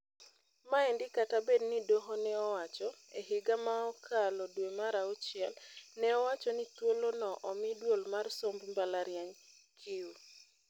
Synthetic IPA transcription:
maɛndɪkatabednidoɦonɛɔwat͡ʃɔeɦɪɡamaɔkʰalɔdwemaɾaot͡ʃɪɛlnɛɔwat͡ʃɔnit̪wolonɔʔɔmɪdwolmarsombmbalaɾjaŋkʰɪu

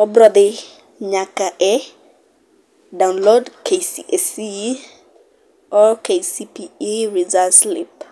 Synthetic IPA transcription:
ɔbɾɔd̪ɪ | ɲakaʔɛ | dawnlodkʰesiʔesi | ɔkʰesipiiɹizaslḭp

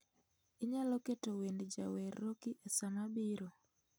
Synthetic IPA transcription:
ɪɲalɔketowendd͡ʒa̰wɛrːokiʔesanabiɾo

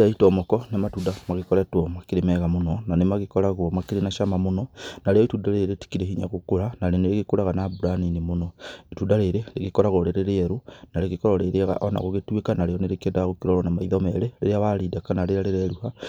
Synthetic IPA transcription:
aitomokonematudamaɣekoɾatwomakiɾemeɣamunonanemaɣikoɾaɣwomakiɾinaʃamamunonaɾejoitudaɾeɾeti̥kiɾehiɲa̰ɣukuɾanaleneɾeɣikuɾaɣanaːbuɾaninimunoitudaɾeɾeleɣikoɾaɣoleɾeɾeeɾunaleɣikoɾoɾeɾeɣa̰ʔona̰ɣoɣetwekanaɾejoneɾekedaɣokiɾoɾonamaiðomeɾelḛɾjaβaɾidakanaleɾaɾeɾeɾuha

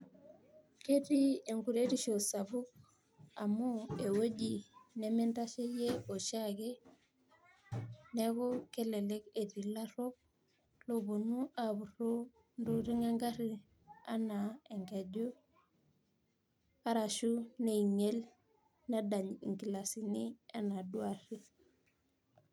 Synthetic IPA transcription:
ketieŋkuɾeɾiʃosabuk̚ | amoewoɟinementaʃejeoʃake | nekokeleleketilaɾop̚ | lobonuʔabuɾo | ndoɾiŋaŋɡaɾi | anaeŋɡeɟo | aɾaʃuneiŋel | nadaɲḭŋkilasinianaduaɾi

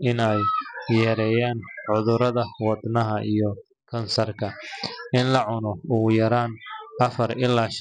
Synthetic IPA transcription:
ɪnɛjjɛːɾɛjaːnʕʊðʊɾɐðɐwɑd̪nɐɦɐʔijɔ | kʰɐnsɐrkʰɐɪnlɐʕʊnɔʊɣjɐɾaːnɐfɐrɪlːaːʃ

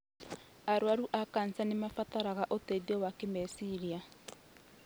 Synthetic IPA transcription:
aɾwaɾuʔakansanemafataɾaɣaʔotedɔwakemɛsiɾia

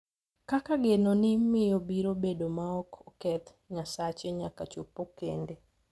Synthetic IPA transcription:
kakaɡenonɪmɪjobiɾobedomaɔkɔkɛt̪ | ɲasat͡ʃeɲakat͡ʃopːokende

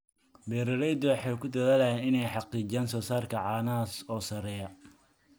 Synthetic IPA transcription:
bɛːɾɐɾɛjd̪ɔwɑħɑjkʰʊd̪ɐðaːlɐjɛːnɪnɛjħɑqiːd͡ʒaːnsɔːsaːrkʰɐʕɑːnaːsɔːsɐɾɛːjɐ

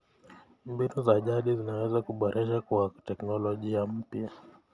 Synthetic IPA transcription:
mbinuzaʄaɗizinawɛzakuɓɔɾʔɛʃakwatɛknɔlɔʄiam̩pja

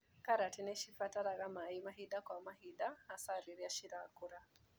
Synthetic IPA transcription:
kaɾatinɛʃifataɾaɣamaimaɦiɗakwamaɦiɗahasaɾiɾiaʃiɾa̰kuɾa

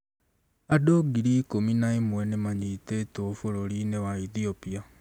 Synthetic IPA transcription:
adoɡiɾikominaemwɛnemaɲitetoːfoɾoɾinewaiθiopia

